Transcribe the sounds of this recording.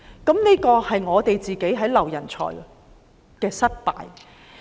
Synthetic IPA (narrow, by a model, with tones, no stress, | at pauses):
kɐ˨˥mneː˥kɔː˧hɐ˨jŋɔː˨˧t̪e˨jt͡siː˨ke˨˥jɦɐ˨˥jlɐ˨˩wjɐ˨˩nt͡ʃʰɔ̰ː˨˩j | kɛː˧sɐ˥t̚pa̰ː˨j